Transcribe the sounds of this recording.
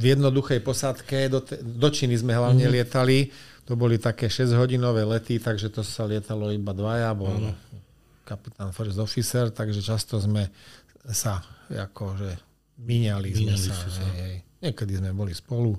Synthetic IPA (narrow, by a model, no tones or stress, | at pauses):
vjɛd̪nɔd̪uxɛjpɔsat̪kɛd̪ɔt̪ɛd̪ɔt͡ʃinizmɛɦlaʊɲɛlɪɛt̪alit̪ɔbɔlit̪akɛːʃɛzɟɦɔɟinɔʋɛːlɛt̪it̪aɡʒɛt̪ɔsalɪɛt̪alɔibad̪ʋajabɔl | kapit̪aːnfrzɔfisɛɾt̪aɡʒɛt͡ʃast̪ɔzmɛsaa̰kʰɔʒɛ | miɲalizmɛsaɦɛjɦɛjɲɪɛkɛd̪izmɛbɔlispɔlu